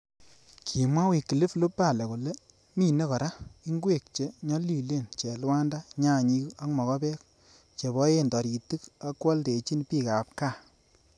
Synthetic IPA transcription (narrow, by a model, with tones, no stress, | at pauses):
kʰi˨mwa˦wi˨kːi˨li˦flo˦pːa˦˨le˨ku˨le˦ | mi˦˨ne˦kɔ˨ɾa˦i˦ŋɡwe˦˨k̚t͡ʃe˨ɲɔ˦li˨le˦˨nt͡ʃe˨lwa˦nda˦ɲa˦˨ɲi˦ka˦ŋmɔ˨kɔ˦pɛ˦k̚ | t͡ʃe˨bɔ˦je˦ndɔ˨ɾi˨tu˦ka˦kwɔ˦lte˨t͡ʃi˦npiː˦˨ka˨p̚ka˦˨